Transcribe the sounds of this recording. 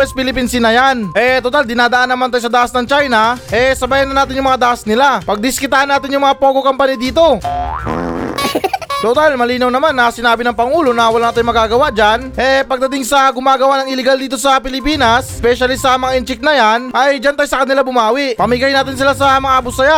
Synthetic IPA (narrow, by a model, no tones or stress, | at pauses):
ɛspɪlɪpinsinɐjanʔɛt̪ot̪ald̪ɪnaːd̪ɐʔanːɐmant̪ajsɐd̪aʔasnɐŋt͡ʃajnɐʔɛsɐbaːjɐnɐnaːt̪ɪnjʊŋmɐŋad̪aʔɐsnɪlapɐɡ̚d̪ɪskɪt̪aːhɐnːaːt̪ɪnjʊŋmɐŋapo̞ːɡokɐmpɐnid̪iːt̪o̞ | t̪ot̪almɐliːnɐwnɐmanːɐsɪnaːbɪnɐŋpɐŋuːlo̞nɐwɐlaŋt̪ajmɐɡaːɡɐwaʔd͡ʒanʔɛpɐɡ̚d̪ɐt̪ɪŋsɐɡʊmaːɡɐwaʔnɐŋɪlɛɡald̪iːt̪o̞sɐpɪlɪpiːnɐspɛʃɐlɪsɐmɐŋaʔɪnt͡ʃɪk̚nɐjanʔɐjd͡ʒant̪ajsɐkɐt̪nɪlabʊmaːwɪʔpɐmiɡajnaːt̪ɪnsɪlasɐmɐŋaʔɐbʊsaja